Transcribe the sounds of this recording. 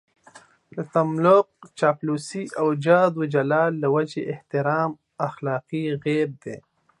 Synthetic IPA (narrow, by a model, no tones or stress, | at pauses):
d̪ət̪ɐmloːq̚t͡ʃaːpluːsiɐwd͡ʒaːd̪wud͡ʒɐlaːlːɐwɐd͡ʒeʔɪht̪ɪɾaːm | ɐxlaːqiɣeːb̚d̪ḛː